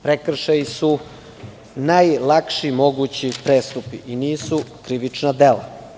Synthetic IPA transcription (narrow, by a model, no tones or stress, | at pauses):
pɾekr̩ʃajisu | najlˠakʃimo̞ɡuːt͡ɕipɾeːst̪upiʔiniːsukɾiʋit͡ʃnad̪ela̰